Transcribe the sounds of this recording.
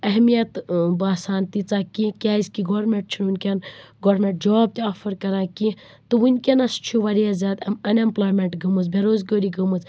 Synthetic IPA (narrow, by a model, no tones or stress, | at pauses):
ɐɦmijɐt̪baːsaːnt̪it͡saːkĩkʲaːiskiɡoːɾmẽɳʈ̚t͡ʃʰinunkɐnɡoːɾmẽɳʈ̚d͡ʒɔːb̚t̪aːfʰɐɾkɐɾãːki | t̪ɨʋunʲkʲenɐst͡ʃʰuʋaɾijazaːt̪ɐmɐnemploːjmẽɳʈɡɐmɨzbʱeɾoːzɡoːɾiɡʱɐmɨt͡s